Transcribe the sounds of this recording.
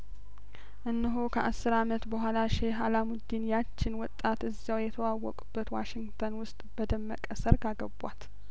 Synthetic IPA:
ʔɨnːɨɦokʰəʔasːɨɾamət̪bəɦʷalaʃeɦalamʊd̪ːinjat͡ʃːɪnwɔt̪ʼːat̪ɨzːjawjɛt̪ʰəwawːɔ̰kʼubːət̪waʃɪŋɡt̪ʰənwʊst̪ʼb̥əd̪əmːə̰kʼəsəɾɡaɡəbʷa̰t̪

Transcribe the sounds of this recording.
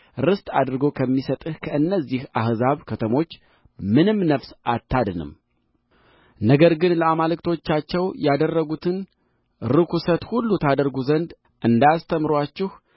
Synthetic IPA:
ɾɨst̪ʼad̪ɾɡo̞kʰəmːisət̪ʼɨhkʰəʔɨnːəzːihahzaβkʰət̪ʰəmo̞t͡ʃː | mɨnɨmnəfsʔat̪ʰːad̪nɨ̰m | nəɡəɾɡɨnləamalɨkt̪ʰo̞t͡ʃːat͡ʃːɛwjad̪ərːəɡut̪ʰɨn | ɾɨkʰusət̪hulːut̪ʰad̪əɾɡuzənd̪ | ʔɨnd̪ast̪ʰəmɾwat͡ʃːɪh

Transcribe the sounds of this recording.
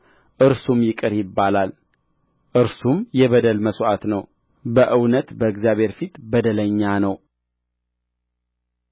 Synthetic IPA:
ʔɨɾsumjɪkʼɨɾjɪbːalal | ʔɨɾsumjɛβəd̪əlməsʔat̪nəw | bəʔɨwnət̪bəɨɡzjaβhe̞ɾfit̪bəd̪ələɲːanəw

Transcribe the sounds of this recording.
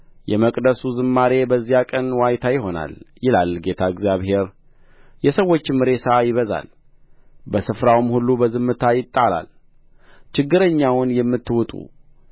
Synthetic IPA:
jɛməkʼd̪əsuzɨmːaɾe̞bəzːijakʼənwajt̪ʰajɪɦo̞na̰ljɪlalɡe̞t̪ʰaɨɡzjaβhe̞ɾ | jɛsəwːo̞t͡ʃːmɨɾe̞səajɪβəza̰l | bəsɨfɾawmhulːubəzɨmːɨt̪ʰajɪt̪ʼːala̰l | t͡ʃɪɡːɨɾəɲːawʊnjɛmːɨt̪ːɨwʊt̪ʼṵ

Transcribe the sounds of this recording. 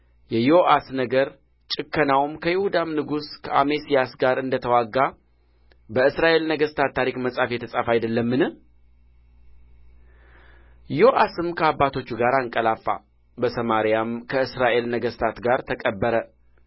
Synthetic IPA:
jɛjoʔasnəɡəɾ | t͡ʃʼɨkːənawmkʰəjɪhud̪amnɨɡuskʰəamesijasɡaɾɨnd̪ət̪ʰəwaɡːa | bəɨsɾaʔe̞lnəɡəst̪ʰat̪ːaɾikməsʼafjɛt̪ʰəsʼafajd̪əlːəmːɨnɨh | joʔasɨmkʰəabːat̪ʰo̞t͡ʃːuɡaɾaŋkʼəlafːa̰ | bəsəmaɾijamkʰəɨsɾaʔe̞lnəɡəst̪ʰat̪ɡaɾt̪ʰəkʼəbːəɾə

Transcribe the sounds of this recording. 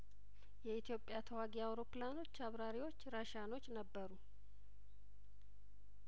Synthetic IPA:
jɛit̪ʰijo̞pʼːjat̪ʰəwaɡiawɾo̞plano̞t͡ʃːaβɾaɾiwo̞t͡ʃːɾaʃano̞t͡ʃːnəbːəɾu

